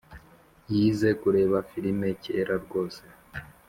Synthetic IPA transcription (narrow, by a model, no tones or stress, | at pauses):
jiːze̞kuɾe̞ːβafiɾime̞ceːɾaɾɡo̞ːse